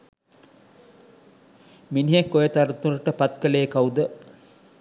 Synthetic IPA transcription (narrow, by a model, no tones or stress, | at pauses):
miniɦekːojet̪aɾut̪uɾəʈəpat̪̚kəleːkaud̪ə